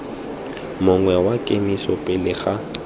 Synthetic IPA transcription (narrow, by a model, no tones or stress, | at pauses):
mʊŋwɛwakʼemisɔpʼɪlɪɣa